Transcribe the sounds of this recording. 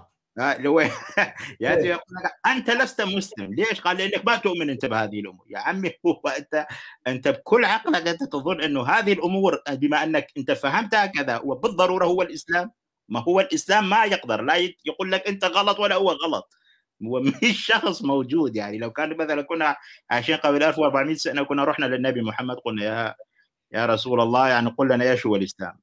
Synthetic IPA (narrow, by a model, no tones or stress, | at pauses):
alhʊwːa | jaʔt̪ijquːlːakʔant̪alast̪amʊslɪ̰mleːʃqɑːlːɪʔɪnːakmat̪ʊʔmɪnʔɪnt̪abhaːðɪhɪlʔʊ̰mṵːɾja̰ʕamːihʊwːaʔɪnt̪aʔɪnt̪ab̚kʰʊlːʕɑqlaʔkʔɪnt̪at̪ɨðˤʊnːʔɪnːʊɦaːðɪhɪlʔʊmuːɾbɪmaʔɪnːakʔɪnt̪afaɦamt̪haːkaða̰wabɨðˤːɑɾˤuːɾˤɑhʊwːalʔɪslaːmː | ahʊwːalʔɪslaːmːajɪqd̪ɑɾˤlajjɑquːlːakʔɪnt̪aɣɑlɑt̪ˤwalːahʊwːaɣɑlɑt̪ˤ | ʊwːamɪʃːɑxsˤmowd͡ʒuːd̪jaʕnilawkaːnmaθalankʊnːaʕaʃeːnqɑblʔalfwʔɑɾˤbaʕmiːt̪saʔnakʊnːaɾˤuħnalɪnːabimʊħamːad̪̚qʊlnaja | jaɾˤɑsuːlɑlˤːɑːjaʕniqʊlːanajeːʃhʊwalʔɪsla̰ːm